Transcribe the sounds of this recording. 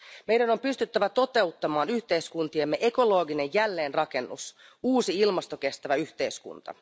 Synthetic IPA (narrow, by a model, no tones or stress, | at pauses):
me̞jdæno̞mpyst̪yt̪ːæʋæt̪o̞t̪e̞ut̪ːɑmɑːnyçt̪e̞iskunt̪iemːe̞ʔe̞ko̞lo̞ːɡine̞jjælːe̞ːnrɑke̞nːṵs | uːsiilmɑst̪o̞k̟e̞st̪æʋæyçt̪e̞jskṵnt̪ɑ̰